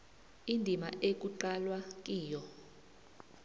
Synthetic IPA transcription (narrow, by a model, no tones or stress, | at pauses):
indʱima̰ʔek̬ʼuǃalwak̬ʼiːjɔ